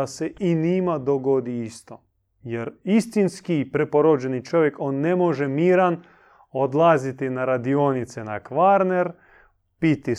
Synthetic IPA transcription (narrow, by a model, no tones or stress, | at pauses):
aseinimad̪oɡod̪iist̪o̞ | jeɾist̪inskipɾepoɾod͡ʒenit͡ʃo̞ʋje̞ko̞ːnːe̞moʒemiːɾan | od̪lˠazit̪inaɾad̪io̞nit̪senakʋaɾneɾ | pit̪i